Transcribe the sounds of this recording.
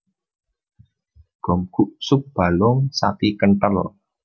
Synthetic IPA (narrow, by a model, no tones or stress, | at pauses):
ɡ̥ɔ̤mɡ̥uʔsʊk̚b̥a̤lʊŋsa̰pikəɳʈəl